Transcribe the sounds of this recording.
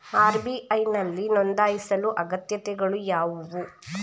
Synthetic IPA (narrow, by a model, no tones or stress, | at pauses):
aːɾbiʔɐjnɐlːinond̪aːjisɐluʔɐɡɐt̪jɐt̪ɛɡɐɭujaːʋuʋu